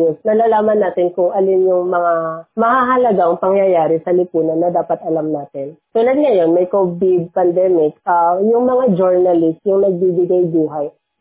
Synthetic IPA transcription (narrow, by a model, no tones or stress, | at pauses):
ɛsnɐlaːlaːmɐnːaːt̪ɪnkʊŋʔɐlɪmjʊŋmɐŋamɐhaɦɐlɐɡaŋpɐŋjɐjaːɾɪsɐlɪpuːnɐnːɐd̪aːpɐt̪ʔɐlamnaːt̪ɪnt̪ʊlɐd̪̚ŋɐjo̞nmɐjkobɪd̪̚pɐnd̪ɛmɪkʔajʊŋmɐŋad͡ʒoɹnɐlɪst̪jʊŋnɐɡ̚bibɪɡajbuːɦɐj